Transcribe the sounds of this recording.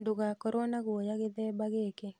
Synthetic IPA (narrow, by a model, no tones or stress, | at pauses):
ndoɡakɔɾonaɡwojaɡɪd̪ɛbaɡeke